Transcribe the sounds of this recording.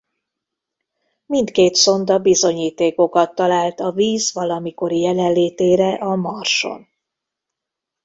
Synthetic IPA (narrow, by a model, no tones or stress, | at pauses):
mint̪keːt̪so̞nd̪ɒbizo̞ɲiːt̪eːko̞kɒt̪ːɒlaːlt̪ɒviːzvɒlɒmiko̞ɾijɛlɛnleːt̪eːɾɛʔɒmɒrʃo̞̰n